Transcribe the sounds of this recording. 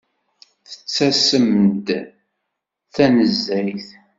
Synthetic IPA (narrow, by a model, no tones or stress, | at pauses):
θə̥t͡sːæsəmd̪ | θænəzːæjθ